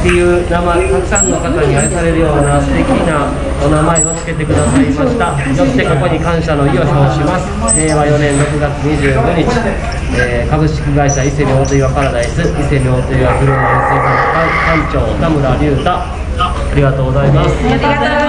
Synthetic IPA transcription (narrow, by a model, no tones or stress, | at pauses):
t̪ːe̞jɯːnamaet̪akɯ̟̥sãnːo̞kat̪aɲiaɾesaɾe̞ɾɯ̟jo̞ːɲinaɾat̪e̞kʲina | onamae̞o̞t͡sɨ̥ke̞t̪e̞kɯ̟d̪asaimaɕi̥t̪a | jo̞t̪ːe̞ko̞ko̞ɲ̟ikãɰ̃ɕano̞io̞ɲiɦoːɕimasɨ̥eːβajo̞nẽ̞nɾo̞kɯ̟ɡat͡sɨɲ̟iʑɨːɡo̞ɲ̟it͡ɕi | eːkabɯ̟ɕi̥kʲiɡaiɕaise̞ɲʲio̞ːt̪ɯiβakaɾad̪aisɨise̞ɲʲioːt̪ɯiβakɯ̟ɾɯmẽseɦak̪akãit͡ɕo̞ːt̪amɯ̟ɾaɾʲɯːt̪a | aɾʲiɡat̪o̞ːɡo̞zaimasɨ̥